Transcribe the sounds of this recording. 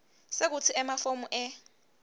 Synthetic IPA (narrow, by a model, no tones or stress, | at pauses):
sek̬ut͡sʰiɛmafomuʔɛ